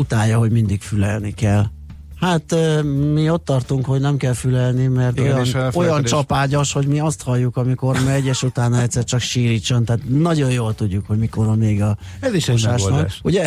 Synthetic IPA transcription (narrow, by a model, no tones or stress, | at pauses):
ut̪aːjːɒɦo̞ɟmind̪ikfylɛlnikɛl | hat̪mio̞t̪ːɒrt̪uŋkho̞ɟnɛmkɛlfylɛlnimɛrt̪ojɒnojɒnt͡ʃɒpaːɟoʃho̞ɟmiɒst̪hɒjːukɒmiko̞rmɛɛɟːɛʃut̪aːnːɒɛt̪sɛrt͡ʃɒkʃiːɾiːt͡ʃːont̪aːt̪nɒɟo̞jjoːlt̪uɟːukhoɟmiko̞ɾɒmeːɡɒ | ɛziʃoʃaːnɒkːʃuɟɛ